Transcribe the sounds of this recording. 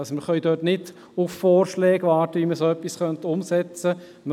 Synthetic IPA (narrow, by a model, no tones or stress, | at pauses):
ɑsəməχœʏdøːtnɪd | ʊffɔːɾʃlɛːɡvɑːɾtəʋiməɾsoœpːisχœntʊmsɛt͡sə | m